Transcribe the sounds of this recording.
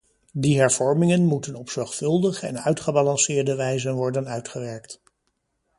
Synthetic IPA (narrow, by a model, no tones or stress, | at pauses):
diɦɛɹv̥ɔɹmɪŋənmutənɔpsɔɹχfɵlˠdəχəɛ̰nœɥtχəbɑlɑnsɪːɹdəʋɛjzənʋɔɹdənœɥtχəʋɛɹkt